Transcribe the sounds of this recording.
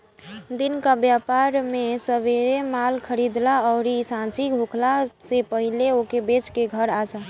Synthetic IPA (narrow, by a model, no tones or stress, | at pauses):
d̪inkabjapaɾmesəʋeɾemalkʰəɾid̪laɔɾisãt͡ʃiɡʱokʰlasepəɦileokebet͡ʃkeɡʱəɾat͡ʃʰa